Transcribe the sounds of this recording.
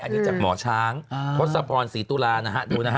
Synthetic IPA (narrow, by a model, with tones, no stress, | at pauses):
ʔa˧nu˦˥t͡ɕaː˨˩k̚mɔ̰ː˩˦t͡ɕʰaː˦˥ŋpʰo˦˥t̪̚sa˧pʰɔː˧nsiː˩˦t̪uː˧laː˧na˦˥kʰa˦˥duː˧na˦˥˦